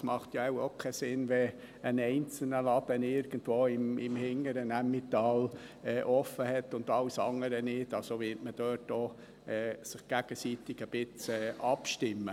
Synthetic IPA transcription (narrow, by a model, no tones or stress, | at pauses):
smɑχt̪jaæʊokʰɛsɪnʋɛ | ənɛɪnt͡sl̩nəlɑbənɪɾɡ̥ən̩tʋoːɪmɪ̰mhɪŋəɾənæmːɪt̪ɑːl | ɛːʔɔfəhɛt̪ːʊnd̥̪ɑwsɑŋəɾənɪd̥ɑlsoʋɪːtməd̥øːtɔː | ɛːsɪχɡ̥æɡ̥əsit̪ɪɡ̥əb̥ɪt͡sɛːʔɑpʃtɪmːə